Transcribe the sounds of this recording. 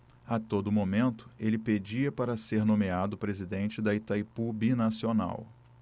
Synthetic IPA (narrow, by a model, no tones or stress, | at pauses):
at̪od̪ʊmomẽnt̪ʊ̥elɪped͡ʒiɐpaɾɐseɾnõmead̪ʊpɾezid̪ẽnt͡ʃɪd̪ɐit̪ajpubinasiona̰w